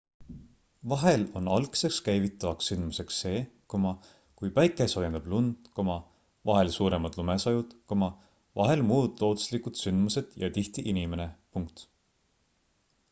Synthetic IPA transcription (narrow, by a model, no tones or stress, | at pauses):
vɑɦe̞lo̞̰nɑlkse̞kskæjvit̪ːˑɑvɑksːynd̪̥muse̞ksːe̞ːkomɑ | kujpæjkˑeso̞je̞nɑb̥lund̪̥komɑ | vɑɦelsuːɾe̞mɑd̪̥lume̞sɑjud̪̥komɑ | vɑɦe̞lmuːd̪lo̞ːd̪u̥slikud̪̥synd̪̥muse̞d̪̥jɑ̰t̪iht̪iʔinime̞nepuŋkt̪